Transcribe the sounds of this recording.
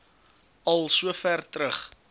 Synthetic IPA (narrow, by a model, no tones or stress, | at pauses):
ɐlˠsuəfærtɾəχ